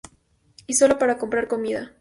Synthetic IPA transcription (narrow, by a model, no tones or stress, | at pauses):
iso̞lopaɾako̞mpɾaɾko̞miða